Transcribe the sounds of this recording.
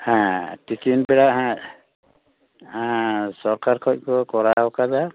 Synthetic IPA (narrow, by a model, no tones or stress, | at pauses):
hãtikinbɛɽaɦã | sɔɾkaɾkʰɔc̚kɔkɔɾaɦɔkaza